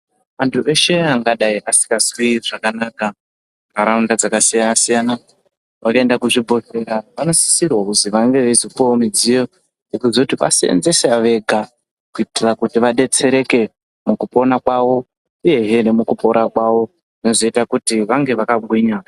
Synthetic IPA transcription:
ʋantʰuʔe̞ʃe̞aŋɡaɗaiʔasi̥kɡaswiʐ̥akanaka | kaɾaundad͡zakasijanasijana | ʋakaendakuʐibʱo̞re̞ɾaʋano̞si̥sirwakuziʋaŋɡe̞ʋezopoomid͡zijo̞ | ekuzoutiʋa̰siḛnze̞saʋe̞ɡʱa | kuitirakutiʋaɗe̞t͡se̞ɾe̞ke̞ | mukupo̞nakwaʋo̞ | uje̞ɦenemukupo̞ɾakwaʋo̞ | ʐinozoitakutiʋaŋɡe̞ʋakaɡʱwiɲa

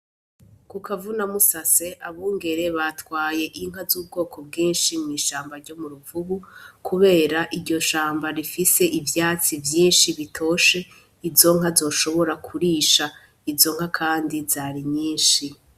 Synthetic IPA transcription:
kukavunamusase̞ʔaβuːŋɡe̞ɾe̞βatwaːje̞ʔiŋ̥ɦazuːbɡo̞ːkʰo̞b̚ɡiːnʃimŋiːʃaːmbaɾɟo̞muɾuvuβukuβe̞ːɾaʔiɾɟo̞ʃaːmbaɾifise̞ʔivjaːt͡sivjiːnʃiβitʰo̞ːʃe̞ | izo̞ŋ̥azo̞ːʃo̞βo̞ɾakʰuɾiːʃa | izo̞ŋ̥ɦakʰaːndizaːɾiɲiːnʃi

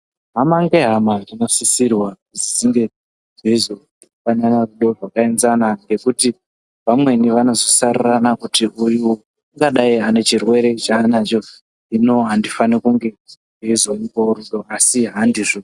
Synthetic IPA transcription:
ɦamaŋɡe̞ɦamarino̞sisirwauzisiŋɡe̞ | ʐeizo | fananaruɗo̞ʐwakaenzanaŋɡe̞kuti | ʋamwe̞niʋano̞zosariranakutiʔuju | aŋɡaɗaiane̞t͡ʃirwe̞ɾe̞t͡ʃaːnat͡ʃo̞ | ino̞ɦandifanikuŋɡe̞ | ʐeizoipo̞ɾuɗo̞asiɦandiʐo

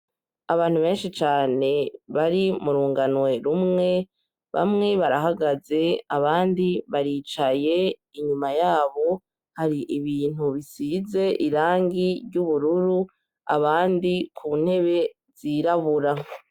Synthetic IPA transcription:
aβaːn̥huβe̞ːnʃit͡ʃaːne̞βaɾimuɾuːŋɡanwe̞ɾumŋe̞ | βa̰mŋe̞βaɾaɦaɡaze̞aβaːndiβaɾiːt͡ʃaje̞iɲumajaːβo̞ | haɾiʔiβiːn̥huβisize̞ʔiɾaːŋɡiɾɟuβuɾuɾu | a̰βaːndikʰun̥he̞βe̞ | z̥iɾaβuɾa

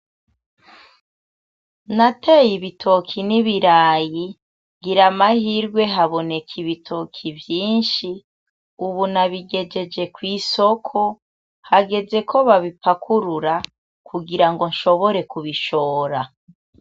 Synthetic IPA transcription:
natejiβitʰo̞kʰiniβiɾaːji | ɡiɾamahiɾɡwe̞ɦaβo̞ne̞kʰiβitʰo̞kʰivjiːnʃi | uβunaβiɡe̞d͡ʒe̞d͡ʒe̞kwiːso̞kʰo̞ | haɡe̞ze̞kʰo̞βaβipakʰuɾuɾa | kʰuɡiɾaŋɡo̞nʃo̞βo̞ɾe̞kuβiʃo̞ːɾa

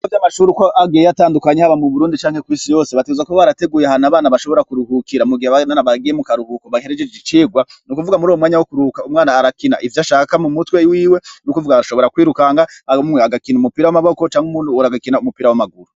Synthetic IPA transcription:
avjamaʃuːɾikoʔaɡieataːndukaɲehaβamuβuɾuːndit͡ʃaːŋhekwiːsijo̞ːseβateezakoβaɾate̞ɡuːjeahanaβaːnaβaʃo̞βo̞ɾakuɾuhukiɾamuɡiheβananaβaɡijemukaɾuhukoβahe̞ɾed͡ʒed͡ʒet͡ʃiːɡwanukuvuɡamuɾuːwomŋaːɲawokuɾuhukaumŋaːnaːɾakina̰ʔivjaʃakamumutwewiːwe̞nukuvuɡaaʃo̞βo̞ɾakwiːɾukaŋɡaaomumwehaɡakiːnumupiːɾawamaβoko̞t͡ʃaːŋɡumuːnuɾaɡakinaumupiːɾawamaɡuɾu

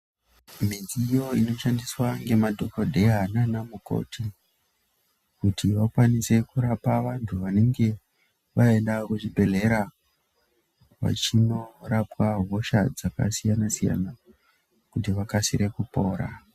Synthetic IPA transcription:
mid͡zijo̞ino̞ʃandiswaŋɡe̞madʱo̞kodʱe̞ananamuko̞̰tʰi | kutiʋakwanise̞kuɾapaʋantʰuʋane̞ŋɡe̞ | ʋaendakuʐibʱe̞ɮe̞ɾa | ʋa̰t͡ʃino̞rapwaɦo̞ʃad͡zaka̰sijanasija̰na | kut̬iʋakasiɾekupo̞ːɾa̰

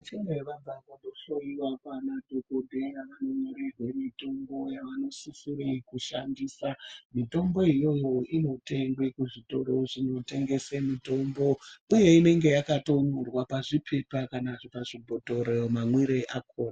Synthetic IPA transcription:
t͡ʃenoeʋabakondoʃoiwakanadʱokodʱejaʋanomiɾirwe̞mito̞mbo̞jaʋano̞sisiɾikuʃandiːsamito̞mbo̞ijo̞jo̞ino̞te̞ŋɡwekuʐito̞ɾoʐino̞te̞ŋɡe̞semito̞mbo̞uje̞ine̞ŋɡe̞jakato̞nurwapaʐipʰe̞pakanaʐipaʐibʱoto̞ɾejomamwiɾeʔakʰoːna

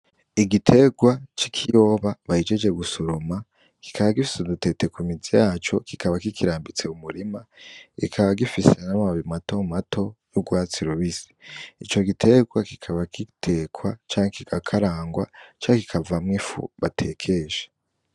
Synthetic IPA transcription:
iɡitʰe̞ɡwat͡ʃikʰijo̞ːβaβaid͡ʒed͡ʒe̞ɡusoɾoma | ki̥kʰaβaɡifi̥sudute̞te̞kumizijaːt͡ʃo̞kikʰaβakikiɾaːmbit͡se̞umuɾimaɡ̥ḭkʰaβaɡifisenamaβimatomato̞juɡwaːt͡siɾuβizi̥it͡ʃo̞ɡitʰe̞ɡwaki̥kʰaβakitʰeːkwat͡ʃaːŋekikakʰaɾaːŋɡwa̰t͡ʃaːŋeki̥kʰavamŋifṵβatʰe̞ːkʰe̞ʒe̥

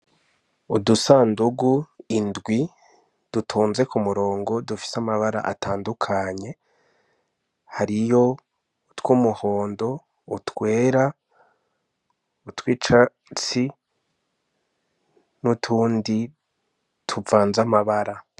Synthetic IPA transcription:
udusaːnduɡuindɡwi | d̥utʰuːnze̞kumuɾo̞ːŋɡo̞dufi̥samaβaɾa̰ʔa̰tʰaːndukʰaɲe̞ | haɾijo̞ | twuːmuho̞ːndo̞ | utwe̞ːɾa | utwiːt͡ʃa | t͡si | nutʰuːndi | tʰuvaːnzamaβaɾa

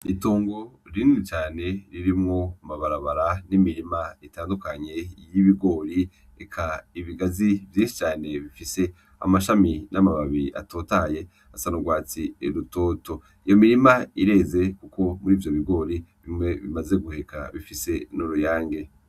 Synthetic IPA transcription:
itoːŋɡo̞ɾinit͡ʃaːne̞ɾiɾimŋo̞maβaɾaβaɾanimiɾimaitaːndukaɲe̞jiβiɡo̞ːɾi | ekʰaiβiɡazivjĩːnʃi̥t͡ʃaːne̞βifise̞ | a̰maʃaminʔamaβaβiʔa̰tʰoːtaje̞ | asanuɡwaːt͡siɾutoːto̞ | ijo̞miɾimaiɾe̞ze̞kukʰo̞muɾiːvjo̞βiɡo̞ːɾiβimŋe̞βḭmaze̞ɡuhe̞kʰa̰βifise̞nuɾujaːŋɡe̞

